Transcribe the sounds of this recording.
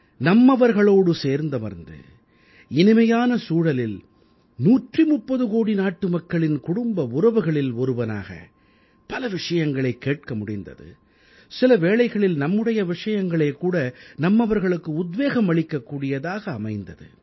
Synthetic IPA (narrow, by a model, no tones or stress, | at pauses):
nɐmːɐʋɐɾɣɐɭoːɽɯseːɾnd̪ɐmɐ̰ɾnd̪ɯ̰ | ɪnɪmɐjaːnɐsuːɽɐlɪl | nuːʈrimʊpːɐðɯɣoːɽinaːʈːɯmɐkːɐɭɪnkʊɽʊmbɐʊɾɐʋɯɣɐɭɪlɔɾɯʋɐna̰ːɣɐ̰ | pɐlɐʋɪʂɐjɐŋɡɐɭɐɪkːeːʈ̚kɐmʊɽɪnd̪ɐ̰ðɯ̰ | sɪlɐʋeːɭɐɪɣɐɭɪlnɐmːɯɽɐjɐʋɪʂɐjɐŋɡɐɭɐɪkːuːɽɐnɐmːɐʋɐɾɣɐɭɯkːɯʊd̪ʋeːɣɐmʋɐɭɪkːɐkːuːɽɪjɐðaːɣɐːmɐɪnd̪ɐðɯ̰